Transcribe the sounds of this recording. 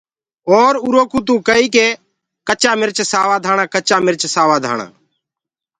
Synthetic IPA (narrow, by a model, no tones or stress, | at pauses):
oːɾuːɾoːkuːt̪̬ũːkəiːkeː | kət͡ʃaːmɪɾt͡ʃsaːʋaːd̪ʱaːɳãːkət͡ʃaːmɪɾt͡ʃsaːʋaːd̪ʱa̰ːɳa̰ː